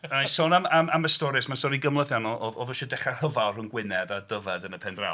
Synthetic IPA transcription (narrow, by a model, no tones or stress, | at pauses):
ənajsɔnamamaməstɔɾɨsmansɔɾiɡəmlˠəðjanɔʔɔðɔðɔʃɔdɛχarəvalˠrʊnɡwɪnɛdadəvɛdənəpʰɛndra̰w